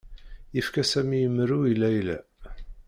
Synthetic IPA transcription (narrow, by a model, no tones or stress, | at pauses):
jəfkæsæmijəmːɾuilæjlæ̰